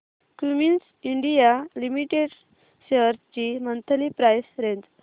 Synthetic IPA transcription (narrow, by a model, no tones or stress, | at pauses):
kumins | iɳɖijalimiʈeɽ | ɕeɾt͡ɕimənt̪ʰəlipɾajsɾed͡z